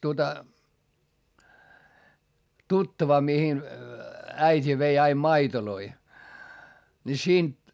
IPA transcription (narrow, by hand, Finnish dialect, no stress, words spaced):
tuotɑ tutːɑʋɑ mihin æitʲi ʋei ɑim mɑitoloi ni siːnt